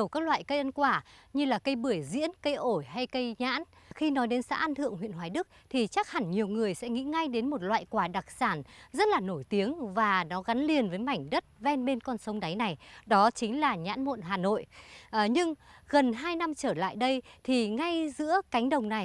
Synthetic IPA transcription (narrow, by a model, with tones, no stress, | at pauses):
ə˨˩wkaː˦˥k̚lwa̰ː˧˨jkə˧jʔə˧nkwaː˧˩ɲɨ˧laː˨˩kə˧jɓɨ˧˩əjzḭ˧˥ənkə˧jʔo˧˩jɦa˧jkə˧jɲa̰ː˧˥n | xi˧nɔ˨˦jɗe˨˦nsa̰ː˧˥ʔa˧nt̪ʰɨ̰˧˨əŋhwḭ˧˨ənɦwaː˧˨˩jɗɨ˦˥ək̚t̪ʰi˨˩t͡ɕa˦˥k̚ha˨˧˩ŋɲi˨˩əwŋɨ˨˩əjsɛ̰˧˥ŋḭ˧˥ŋa˧jɗe˨˦nmo˨˩t̚lwa̰ː˧˨jkwaː˧˩ɗa˨˩k̚saː˧˩nzə˦˥t̚laː˨˩no˧˩jt̪i˨˦əŋvaː˨˩nɔ˨˦ɣa˨˦nli˨˩ənvəː˨˦jma˧˩jŋ̟ɗə˦˥t̚vɛ˧nɓe˧nkɔ˧nsə˨˦wŋ͡mɗa˨˦jna˨˩jɗɔ˨˦t͡ɕï˨˦ŋ̟laː˨˩ɲa̰ː˧˥nmo̰˧˨nɦaː˨˩no̰˧˨jʔɲɨ˧ŋɣə˨˩nɦaː˧jna˧mt͡ɕəː˧˩la̰ː˧˨jɗə˧jt̪ʰi˨˩ŋa˧jzɨ̰˧˥əka˨˦jŋ̟ɗə˨˩wŋ͡mna˨˩j